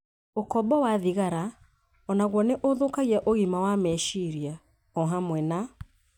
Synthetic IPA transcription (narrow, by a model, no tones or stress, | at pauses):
okɔbɔwaðiɣaɾa | ɔnaɣwɔneʔoðokaɣiaʔoɣimawamɛʃiɾia | ɔɦamwɛna